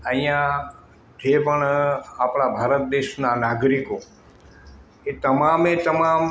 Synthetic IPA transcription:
əĩjã | t̪ʰepəɳapɽ̃abʱaːɾət̪̚d̪eʃnanaɡɾiko | et̪əmamet̪əmam

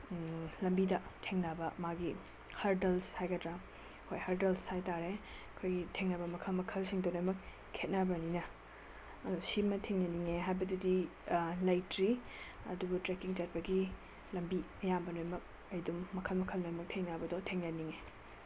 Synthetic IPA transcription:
lɐmbidɐtʰeŋnɐbɐmaɡi | hɐɾdelshajɡɐtɾa | kʰojhɐɾdelshajtaɾe | ɐkʰojɡitʰeŋnɐbɐmɐkʰɐlmɐkʰɐlsiŋdonojmɐk | kʰet̚nɐbɐninɐ | ɐdsimɐtʰeŋnɐniŋeɦajbɐdudi | lajtɾi | ɐ̰dubutɾekiŋt͡ʃat̚pɐɡi | lɐmbiɐjabɐnojmɐk̚ | ɐjdumːɐkʰɐlmɐkʰɐlnojmɐk̚tʰeŋnabɐdɔtʰeŋnɐniŋe

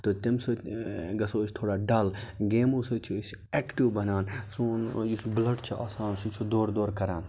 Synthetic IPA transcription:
t̪ot̪imsoɡɐsoːsʲt̪ʰoːɽaːɖɐlɡeːmusot͡ʃʰis | ekʈiʋbɐnaːnsunjusblɐɖt͡ʃʰiʔaːsaːnsut͡ʃʰud̪oːɾd̪oːɾkɐɾaːn

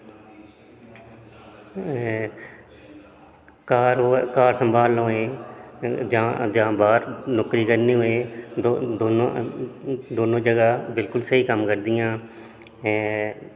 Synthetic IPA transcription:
kaːɾkaːɾsəmbʱaːloːẽː | d͡ʒãːd͡ʒãːbaːɾnʊkɾiːkəɾniːɦʊeːod̪oːnõ | d̪oːnõːd͡ʒəɡaːbɪlkʊlsəɦiːkəmkəɾd̪ɪjãː

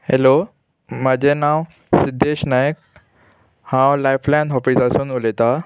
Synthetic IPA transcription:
helo | məd͡ʑʱenaw | sid̪ʱːeɕnajək̚ | hãwlajflãnɦɔfiːsasuːnulet̪a

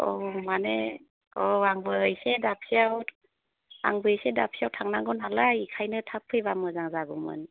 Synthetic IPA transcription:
ɔmane | ɔaŋbɯjsedap̚siaw | a̰ŋbɯjsedap̚sijawtʰaŋnaŋɡɔnɦalaikʰajnɯtʰap̚ʰːɯjbamɯzaŋzaɡumɯ̰n

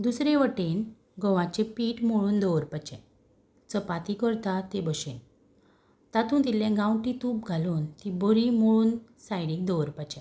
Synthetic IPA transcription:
d̪usɾeʋəʈen | ɡɔʋãt͡ɕepiːʈmoɭuːnd̪ɔʋəɾpat͡ɕɛ̃ | t͡səpat̪ikəɾt̪at̪ebəɕen | t̪at̪ũːnt̪it̪ljɛ̃ɡãwʈit̪uːp̚ɡʱaluːnt̪iboɾimoɭuːnsajɽĩk̚d̪ɔʋəɾpat͡ɕɛ̃

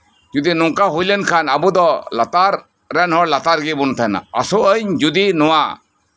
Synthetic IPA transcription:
d͡ʒud̪inɔŋkaɦujlənkʰanabud̪ɔlat̪aɾː | ɛnhɔɾlat̪aɾɡibunt̪ʰana̰asɔʔəɲd͡ʒud̪inɔwa

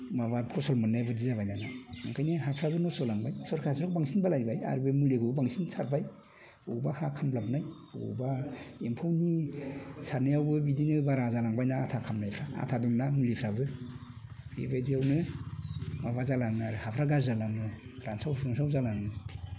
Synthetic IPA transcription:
maβakʰɔsɔlmɯnːajbɯdizaβajnanaaŋkʰajniɦapʰɾabɯnɔsɔlaŋbajsɔɾkʰasɾɔk̚baŋsinbalajbaja̰ɾbɯmuleɡʰɯbaŋsinsʰaɾbaj | ɔbahakʰamblap̚naj | o̰baempʰawni | saɾnajawbɯbidinɯbaɾazalaŋbajnaːtʰakʰamnajpʰɾaa̰tʰaduŋnamulipʰɾabɯ | bḛbajdijawnɯ | maβazalaŋaɾɯhapʰɾaɡaɾzalamɯɾansawɾunsawzalaŋɯ

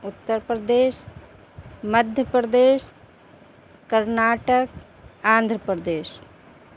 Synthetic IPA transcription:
ʊt̪ːəɾpɾəd̪eːʃ | məd̪ʱjəpɾəd̪eːʃ | kəɾnaːʈək | ãːnd̪ʱɾəpɾəd̪eːʃ

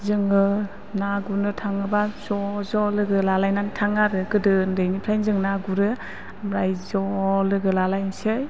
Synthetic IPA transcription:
zɯŋɯ | naɡunɯtʰaŋɯbazɔzɔlɯɡɯlalajnantʰaŋaɾɯɡɯdɯndɯjnipʰɾajnzɯŋnaɡuɾɯ | mɾajzɔlɯɡɯlalajnsɯj

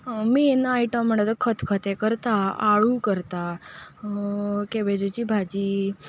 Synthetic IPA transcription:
miːenaajʈəmm̤əɳt̪at̪əkʰət̪kʰət̪ekəɾt̪aaɭukəɾt̪a | keʋed͡ʑet͡ɕiːbʱad͡ʑiː

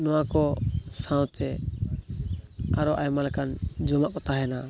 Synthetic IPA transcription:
nɔwakɔsãwt̪ʰɛ | aɾɔʔajmalkand͡ʒɔmaʔkɔt̪aɦɛna

